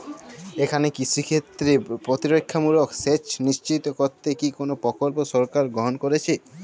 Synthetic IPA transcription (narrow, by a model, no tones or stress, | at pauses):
ekʰanekisɾikʰet̪ːɾepɾot̪iɾokʰːamuɾokset͡ɕniʃt͡ɕit̪okoɾt̪ːekikonopɾɔkolposɔɾkaɾɡɾoɦonkoɾet͡ɕʰe